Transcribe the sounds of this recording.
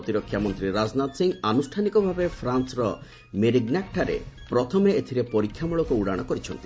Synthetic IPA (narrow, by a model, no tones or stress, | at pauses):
t̪iɾɔkʰːjamɔnt̪ɾiɾad͡ʒnat̪siŋanusʈʰanikɔbʱabepʰɾansɾɔ | meɾiɡnakʈʰːaɾḛpɾɔt̪ʰɔmeet̪ʰiɾepɔɾikʰːjamuɭɔkuuɽaɽ̃ɔkɔɾit͡ʃʰɔnt̪i̥